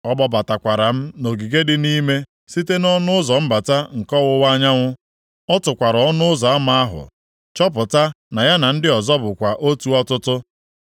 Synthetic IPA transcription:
ɔ˦bɔ˦ba˨ta˨kʷa˨ɾa˨m̩˦no˨ɡi˨ɡe˦dɪ˦ni˦me˦ | si˦te˦nɔ˦nʊ˦ʊ˦zɔ˨m̩˦ba˨ta˦ŋ̩˨kɔ˦wʊ˦wa˦ɲa˦ŋʷʊ˦ | ɔ˦tʊ˨kʷa˨ɾɔ˨ɔ˦nʊ˦ʊ˦zɔ˨a˦ma˦a˦ɦʊ̰˨ | t͡ʃɔ˦p̬ʊ˨ta˦ | na˨ja˦na˨n̩˦dɪ˦ɔ˨zɔ˦bʊ˨kʷa˨ʔo˦tu˨ɔ˦tʊ˦tʊ˦

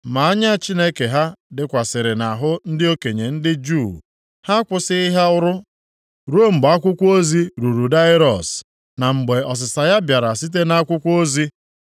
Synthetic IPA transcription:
ma˨a˦ɲa˦˨t͡ʃi˦ne˦ke˨ɦa˦dɪ˨kʷa˨sɪ˨ɾɪ˨na˨ɦʊ˦n̩˦dɪ˦o˦ke˨ɲe˨n̩˦dɪ˦d͡ʒu˦˨ | ha˦kʷʊ˦sɪ˦i˦ɦa˦ʊ˦ɾʊ˦ | ɾo˦m̩˨ɡ͡ba˦kʷʊ˦kʷo˦zi˦ɾu˨ɾu˨da˦ɪ˦ɾɔ˨s | na˨ŋ͡m̩˨ɡ͡be˨ɔ˨s̬ɪ˨sa˨ja˦bja˨ɾa˨si˦t̬e˦na˦kʷʊ˦kʷo˦zi˦

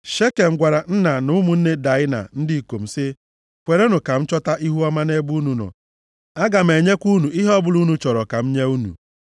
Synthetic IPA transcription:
ʃe˦ke˨m̩˨ɡʷa˨ɾa˨n̩˦na˨nʊ˨˦mu˨n̩˦ne˦da˨˦ɪ˦na̰˨n̩˦di˦˨ko˨m̩˨sɪ˦ | kʷe˨ɾe˦nu˨ka˨m̩˦t͡ʃɔ˦ta˦ʔi˦ɦu˦ɔ˦ma˦ne˦bu˦nu˨nɔ̰˨ | a˦ɡa˨m̩e˨ɲe˦kʷu˦nu˨i˦ɦɔ˦bʊ˦lu˦nu˨t͡ʃɔ˨ɾɔ˨ka˨m̩˦ɲe˦u˦nṵ˨

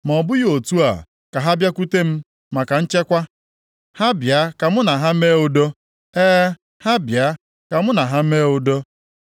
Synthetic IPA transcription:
m˨ɔ˨bʊ˦jo˨tu˦a̰˨ | ka˨ɦa˦bja˦ku˦te˦m̩˦ | ma˨ka˨n̩˦t͡ʃe˦kʷa˦ | ha˦bja˨˦ka˨mʊ˦na˨ɦa˦m̩˦e˦ʊ˨do˦ | eː˦ | ha˦bja˨˦ | ka˨mʊ˦na˨ɦa˦m̩˦e˦ʊ˨do˦

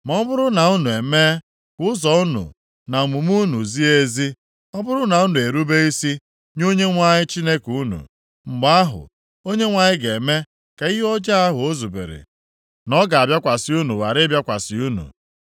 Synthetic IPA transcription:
m˨ɔ˦bʊ˦ɾʊ˦na˨ʊ˦nu˨e˨me˦ | kʷʊ˦ʊ˦zɔ˨ʊ˦nʊ̰˨ | na˨mu˨mu˦nu˨zi˦e˦zi˦ | ɔ˦bʊ˦ɾʊ˦na˨u˦nu˨e˨ɾu˦be˦i˦si˦ | ɲ˦o˦ɲe˦ŋʷa˦ɲɪ˦t͡ʃi˦ne˦ku˦nṵ˨ | ŋ͡m̩˨ɡ͡ba˦ɦʊ̰˨ | o˦ɲe˦ŋʷa˨ɲɪ˦ɡe˨me˦ | ka˨i˦ɦɔ˦d͡ʒa˦a˦ɦʊ˨o˦zu˨bḛ˨ɾḛ˨ | nɔ˦ɡa˨a˨bja˦kʷa˨sɪ˨˦u˦nu˨wa˨ɾɪ˦bja˦kʷa˨sɪ˦u˦nṵ˨

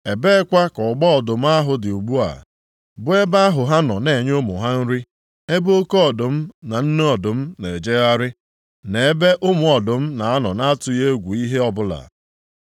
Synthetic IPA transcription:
e˨be˦kʷa˦kɔ˨ɡ͡bɔ˦ɔ˨dʊ˨m̩˦a˦ɦʊ˨dɪ˨u˨ɡ͡bu˦a̰˨ | bʊ˦e˦ba˦a˦ɦʊ˨ɦa˦nɔ˨ne˨ɲ˦o˦mʊ̰˨ɦa˦n̩˦ɾɪ˦ | e˦bo˦ko˦ɔ˨dʊ˨m̩˦na˨n̩˦ne˦ɔ˨dʊ˨m̩˦ne˨d͡ʒe˦ɣa˦ɾɪ˦ | ne˨e˦be˦ʔʊ˦mʊ˨ɔ˨dʊ˨m̩˦na˨a˦nɔ˨na˦tʊ˨je˦ɡʷu˨i˦ɦe˦ɔ˦bʊ˦la̰˨

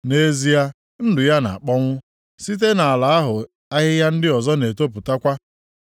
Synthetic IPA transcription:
ne˦zi˦ja˦ | n̩˦dʊ˨ja˦na̰˨a˨k͡pɔ˦ŋʷʊ˦ | si˦t̬e˦na˨a˨la˨a˦ɦʊ˨ | a˦ɦɪ˦ja˦n̩˦dɪ˦ɔ˨zɔ˦ne˨to˦p̬ʊ˨ta˦kʷa˦

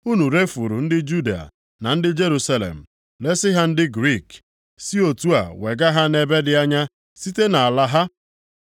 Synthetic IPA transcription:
u˦nu˨ɾe˦fu˨ɾṵ˨n̩˦dɪ˦d͡ʒu˦di˨a̰˨ | na˨n̩˦dɪ˦d͡ʒe˦ɾu˨sa˦lḛ˨m̩˨ | le˦sɪ˦ɦa˦n̩˦dɪ˦ɡɾi˦˨k | si˦o˨tu˦a̰˨we˨ɡa˦ɦa˦ne˨be˦dɪ˨a˦ɲa˦ | si˦te˦na˨a˨la˦ɦa˦

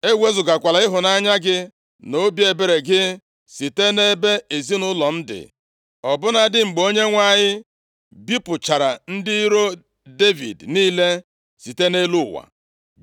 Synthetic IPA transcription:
e˦we˦zʊ˨ɡa˨kʷa˨la˨˦ɪ˦ɦʊ˨na˦ɲa˦ɡɪ˦ | no˦bje˨be˨ɾe˨ɡɪ˦ | si˨te˦ne˦be˦e˨zi˦nʊ˦lɔ˨n̩˦dɪ̰˨ | ɔ˨bʊ˦na˦dɪ˦ŋ͡m̩˨ɡ͡bo˦ɲe˦ŋʷa˦˨ɲɪ˦ | bi˦pʊ˨t͡ʃa˨ɾa˨n̩˦dɪ˦i˦ɾo˦ | de˦vḭ˨dniː˦le˦ | si˨te˦ne˦lu˦˨wa̰˨

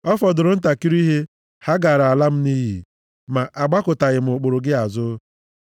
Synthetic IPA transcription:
ɔ˦fɔ˨dʊ˨ɾʊ˨n̩˦ta˨ki˦ɾi˦ɦe˦ | ha˦ɡa˨ɾa˨la˦m̩˦ni˦ɦḭ˨ | ma˨ʔa˨ɡ͡ba˦kʊ˨ta˨ɣɪ˨m̩˨ʊ˨k͡pʊ˨ɾʊ˨ɡɪ˦a˨zʊ˦

